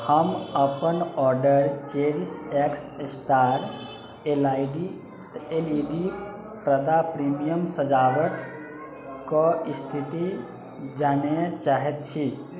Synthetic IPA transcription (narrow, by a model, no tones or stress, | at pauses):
həməpənɔːɾɖəɾt͡ʃeɾisekssʈaːɾ | elaːɪɖi | t̪eliɖi | pɾəd̪apɾimijəmsəd͡ʒaːʋəʈ̪ | kɔist̪ʰit̪i | d͡ʒaːnat͡ʃaːɦet̪t͡ʃʰi